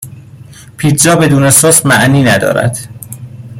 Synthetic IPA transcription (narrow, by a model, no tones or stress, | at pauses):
pʰiːt̪d͡ʒɒːbe̞d̪uːnesoːsmæʔniːnæd̪ɒ̰ːɾæ̰d̪̥